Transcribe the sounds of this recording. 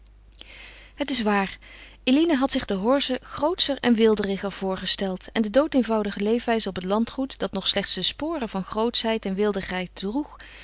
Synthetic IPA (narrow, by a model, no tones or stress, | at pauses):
ɦətɪsʋaːɹʔelinəɦɑtsɪχdəɦɔɹzəχrowtsəɹɛnʋɪlˠdərɪχəlv̥ʊːɹχəstɛlˠtɛndədowtejnvɑwdəχəlejfʋɛjzəɔpətlɑntχutd̥ɑtnɔχslɛχtsdəspoːrəvɑnχrowtsɦɛjtɛnʋɪlˠdəχɦɛjt̚druχ